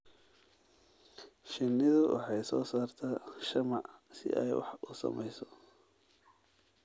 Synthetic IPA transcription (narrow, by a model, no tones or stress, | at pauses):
ʃɪnːɪðʊwʔɑ̰ħɑjsɔːsaːrt̪ʰaːʃɐmɑʕsɪ̰ʔɛjwɑ̰ħʊsɐ̰mɛjsɔ